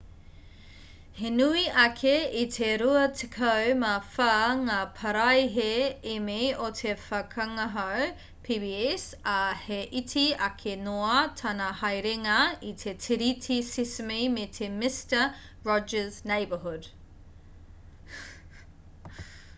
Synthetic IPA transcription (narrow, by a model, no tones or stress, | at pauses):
henuiʔɐkʰeitʰeɾuɐtʰikʰɐwmafɐŋaːpʰɐɾɐjɦeemejotʰefɐkʰɐŋɐɦɐw | pʰibiɛs | ɐheʔitʰiɐkʰenoɐtʰɐnɐhɐjɾeŋɐitʰetʰiɾitʰisismijmetʰemɪstə | ɹɔd͡ʒəznejbəɦud